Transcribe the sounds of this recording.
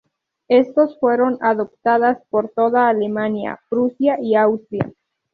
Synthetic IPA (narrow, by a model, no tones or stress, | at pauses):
est̪osfwe̞ɾo̞naðop̚t̪aðaspo̞ɾt̪o̞ðaːlemanja̰pɾusjaʔiawst̪ɾja̰